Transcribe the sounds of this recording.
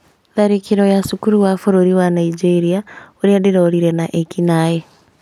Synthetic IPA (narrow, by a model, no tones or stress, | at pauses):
ðaɾikiɾojasukuɾuwafoɾoɾiwanaid͡ʒeɾiaoɾiadeɾaɾiɾenaʔekinaje